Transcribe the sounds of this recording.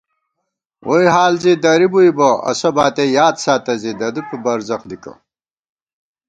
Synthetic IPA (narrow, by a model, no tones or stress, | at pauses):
wʔojɦaːlzid̪ɐɾibuibɐɐ̰sɐbaːt̪ejaːd̪saːt̪ɐzid̪ɐd̪upibɐɾzɐχd̪ikɐ̰